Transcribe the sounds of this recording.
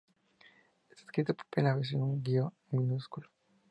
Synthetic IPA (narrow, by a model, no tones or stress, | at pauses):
esskɾit̪opo̥pelaɾes̬enuŋɡio | minuskulo̥